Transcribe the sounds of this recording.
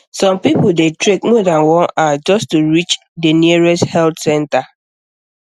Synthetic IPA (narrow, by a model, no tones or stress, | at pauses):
sɔ̃mpipʊdetɹekmɔdãnwɔ̃nad͡ʒɔstuɹit͡ʃ | deniəɹɛsthɛltsɛ̃nta